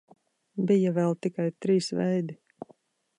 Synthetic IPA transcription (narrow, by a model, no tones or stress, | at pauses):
bijavɛlˠt̪ikajt̪ɾiːsvɛjd̪i